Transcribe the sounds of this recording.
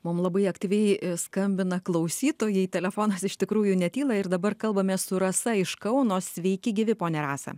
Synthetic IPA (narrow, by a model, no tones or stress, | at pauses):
mʊmlˠɐbɐɪɐkt̪ʲiːʋʲɛɪskɐmʲbʲɪnɐklˠɐʊsʲiːt̪oːjɛɪt̪ʲɛlʲɛfoːnɐsɪʃʲt̪ʲɪkɾuːjʊnʲɛt̪ʲiːlˠɐɪɾd̪ɐbɐrkɐlˠbɐmʲeːssʊɾɐsɐɪʃkɐʊnoːssʲʋʲɛɪkʲɪɡʲɪʋʲɪpoːnʲɛɾɑːsɐ̰